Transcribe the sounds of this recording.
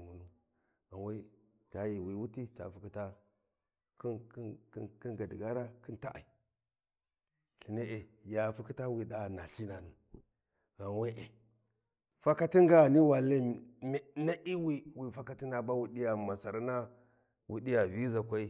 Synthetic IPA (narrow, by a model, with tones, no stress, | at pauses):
mu˨nu˦ | a˨nwa˦i˦ | ta˨ji˨wi˨wu˦ti˦ta̰˨fu˦ki˦ta˦ | k | ki˦ŋɡa˨di˨ɡa˦ɾa˦ki˦nta˦ʔa̰˨i˨ | ɬi˨ne˦ʔe˨ja˨fu˦ki˦ta˦wi˨da˨na˨ɬi˦na˨nu˨ | ɣa˨nwe˦ʔe˨ | fa˦ka˦ti˦ŋɡa˦˨ni˦wa˨le˦m˨˦na˦ʔi˦wi˦wi˨fa˦ka˦ti˦na˨ba˦wu˦di˦ja˨ma˨sa˨ɾa˦na˦ | wʔu˦di˦ja˨vi˦za˨kʷa˦i˦